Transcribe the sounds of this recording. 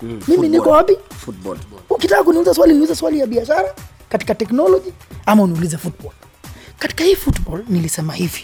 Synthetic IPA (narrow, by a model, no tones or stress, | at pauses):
miminikɔwapi | ukitakak̬uniulizaswaliniulizɛswalijaɓiaʃaɾa | kati̥katɛknɔlɔʄiamauniulizafutbɔl | kati̥kahiːfutɓɔlnilisɛmahivi̥